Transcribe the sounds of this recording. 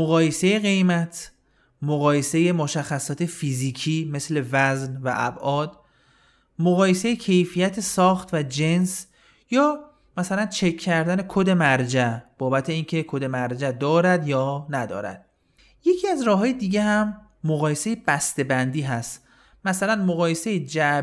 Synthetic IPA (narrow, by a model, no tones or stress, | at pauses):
moɣɒːjese̞jeɣe̞jmæt̪ʰ | moɣɒːje̞se̞je̞moʃæxːæsɒːt̪ʰe̞fiziːcʰiːme̞sle̞væznvæ̰ʔæ̰bʔɒːd̪ | moɣɒːje̞sejecʰe̞jfijæt̪ʰesɒːxt̪væd͡ʒe̞ns | jɒː | mæsælænt͡ʃʰe̞kʰːæɾd̪æne̞kʰod̪e̞mæɾd͡ʒæb̥ɒːbæt̪ʰe̞iːncʰe̞kʰod̪e̞mæɾd͡ʒæd̪ɒːɾæd̪jɒːnæd̪ɒ̰ːɾæ̰d̪̥̚ | je̞cʰiːæzɾɒːɦɒːjed̪iːɟehæmː | oɣɒːje̞se̞jeb̥æst̪e̞bænd̪iːɦæst̪ | mæsælænmoɣɒːje̞se̞jed͡ʒæ